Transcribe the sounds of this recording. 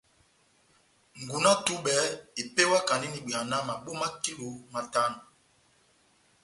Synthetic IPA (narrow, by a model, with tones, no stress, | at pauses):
ŋ˨ɡu˨na˦tu˦ɓɛ˨˦i˨pe˦wa˦ka˨ni˦ni˨ɓi˨a˨na˦ma˨ɓo˦ma˦ki˦lu˨˦ma˨ta˦nu˨